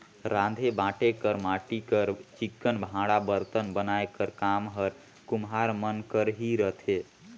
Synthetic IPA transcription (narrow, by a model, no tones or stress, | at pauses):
ɾãd̪ʱebãʈekəɾmaʈikəɾt͡ʃikːənbʱãɽabəɾt̪ənbənaekəɾkamɦəɾ | kumɦaɾmənkəɾɦiɾət̪ʰe